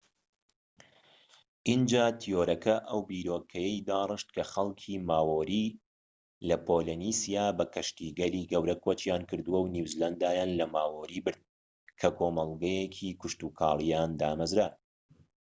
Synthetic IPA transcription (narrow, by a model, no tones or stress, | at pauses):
ʔind͡ʒaːt̪ʰijoɾɐkʰɐʔɐwbiːɾoːkʰɐjɛjd̪aːrˤɨʃt̪̚kʰɐxɐlˠkʰiːmaːwoɾiː | lɐpʰoːlenisijaːbɐkʰɐʃt̪iːɡɐliːɡɐwɾɐkʰot͡ʃjaːnkɨɾd̪uwɐwniwzland̪aːjaːnlɐmaːwoɾiːbɨɾd̪̚ | kʰɐkʰoːmɐlˠɡɐjekʰikʊʃt̪uːkʰɑ̰ːlˠijaːnd̪aːmɐzɾa